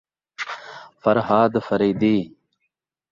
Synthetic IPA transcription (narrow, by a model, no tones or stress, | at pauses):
fɐɾhaːd̪fɐɾiːd̪iː